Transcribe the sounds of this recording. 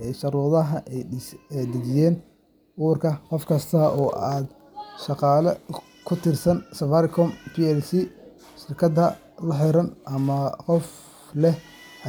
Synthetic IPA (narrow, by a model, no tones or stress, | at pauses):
ɛjʃɐɾuːðɐɦɐʔɛjɛd̪ɪd͡ʒɪjɛːn | ʔʊːrkʰɐqɔfkʰɐst̪ʰɐʔɔːʔaːd̪ | ʃɑqɑːlɐ | kʰʊt̪ʰɪrsɐnsɐfɐɾɪkʰɔmpiːɛlsi | ʃɪrkʰɐd̪ɐ | lɐħɪɾɐnʔɐmɐqɔf | lɛh